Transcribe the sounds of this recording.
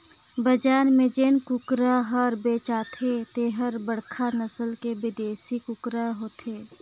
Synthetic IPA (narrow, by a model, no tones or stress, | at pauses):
bəd͡ʒaːnmẽd͡ʒeːnkʊkɾaɦəɾbeːt͡ʃaːt̪ʰet̪eɦəɾbəɽkʰanəsəlkebɪd̪eːsikʊkɾaɦoːt̪ʰeː